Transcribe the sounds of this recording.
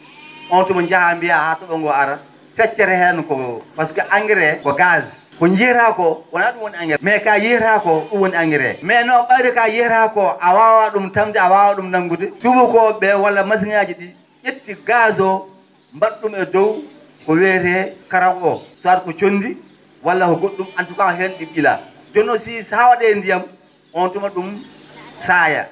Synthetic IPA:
ɔntumɔnd͡ʒahambijahatɔɓɔŋɡɔaɾa | fɛt͡ʃːɛɾɛhɛnukɔpaskaʔaŋɡɛɾɛkɔɡazkɔnd͡ʒiɾakɔwanaɗumwoniaŋɡɛmɛkajiɾakɔɗumwoniaŋɡɛɾɛ̰mɛnɔɓajɾɛkajɛɾakɔʔawawaɗumtamdiawawaɗumnaŋɡut̬ɛtubukɔbɛwalːamas̬iŋad͡ʒiɗi | ʔetːiɡaːzɔ | mbaɗːumɛdɔw | kɔwɛtɛkaɾawɔsɔaɾkɔt͡ʃonːdi | walːakɔɡoɗːumantukakɔɦenɗiɓila̰ | dɔnːɔsisawaɗɛndijam | ɔntumaɗum | saːja̰

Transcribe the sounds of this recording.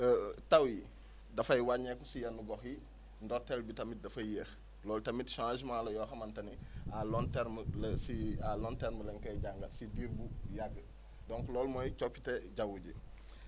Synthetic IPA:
tɐwji | dɐfɐjwaɲɛkɔsijɐnːuɡɔxji | ndɔɾtɛlbitɐmit̚dɐfɐjjɛːx | lɔːltɐmitʃanismalɐjɔːxɐmɐntɐnialɔntɛɾməlsialɔntɛɾməlɛŋkɐjɟaŋɡɐtsidiːɾbujaɡə | dɔŋklɔːlmɔjt͡ʃɔpːitɛɟɐwuɟi

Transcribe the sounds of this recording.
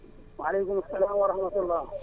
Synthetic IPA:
wɐɐleːkʊmʊsːɐlaːmwɐɾɐhmɐt̪ulːaː

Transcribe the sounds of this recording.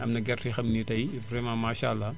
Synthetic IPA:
ʔɐmnɐɡɛrixɐmnitɐjfɾɛmamaːʃalːa

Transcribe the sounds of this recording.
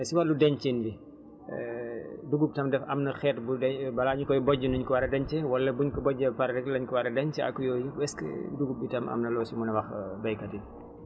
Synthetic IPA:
siwɐlːudɛɲt͡ʃinbi | duɡup̚tɐmdɛfɐmnɐxɛːtbudɛbɐlaɲukɔjbɔɟənuɲkɔwɐɾɐdɐɲt͡ʃɛwɐlːɐbuɲkɔbɔɟːɐpɐɾɐɛklɐɲkɔwɐɾɐdɐɲt͡ʃɛɐ̰kːujɔːjibɛskɛ̰duɡub̚bitɐmʔɐ̰mnɐlɔːsimunɐwɐxbɐjkɐti

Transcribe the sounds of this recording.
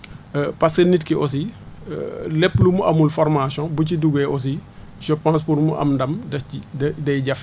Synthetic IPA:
pɐsənitkiʔɔs̬ḭ | lɛpːlumuʔɐmulfɔɾmasjɔ̃buciduɡɛʔɔs̬i | ʒ̥əpãːs̬puɾmuʔɐ̰mndɐmdɐidɐjɟɐf

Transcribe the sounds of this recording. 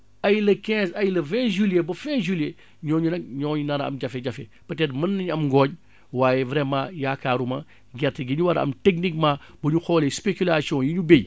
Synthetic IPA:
ɐjlɐkɛ̃ːzɐjlɐvɛ̃ːʒuljebɐfɛ̃ːʒulje | ɲɔːɲunɐk̚ɲɔːɲunɐɾɐ̰mɟɐfɛɟɐfɛpɐtɛdmɐnːɐɲɐmɡɔːɲ | waːjɛvɾɛmãːjaːkaːɾumɐ | ɡɛtːəɡiɲuwɐɾɐ̰mtek̚nik̚maː | bɐɲuxɔːlespekulasiɔ̃ːjiɲubej

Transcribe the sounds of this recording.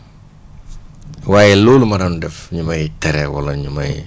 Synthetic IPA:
waːjɛluːlumɐɾɐnudɛfɲumɐjtɛɾɛwɐ̰lɐɲumɐ̰j

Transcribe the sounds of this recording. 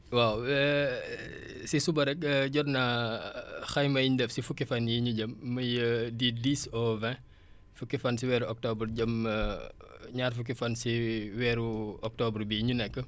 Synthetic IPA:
waw | sisubɐɾɛk̚əɟɔrnɐ | xɐjmɐjiɲdɛfsifukːifɐnjiɲuɟɐmːɐjədidisɔvɛ̃ | fukːifɐnsiwɛːɾuʔɔk̚tɔbrɟɐm | ɲaːrfuk̬ifɐnsiwɛːɾuɔk̚tɔbrbiɲunɛkːə

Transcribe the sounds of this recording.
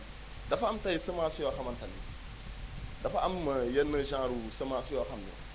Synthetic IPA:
dafaamtajisəmasuakamantanḭ | dafaʔamjenəʒãɾusəmasuakamnḭ

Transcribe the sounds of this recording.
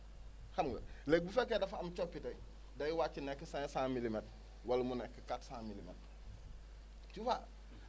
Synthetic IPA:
hamɡo̰lek̚bufekedafaːmt͡ʃopːitei | dajiwat͡ʃːinekːisãsãmilimet | walmunekːikatsãmilimḛt̚ | t͡ʃufa

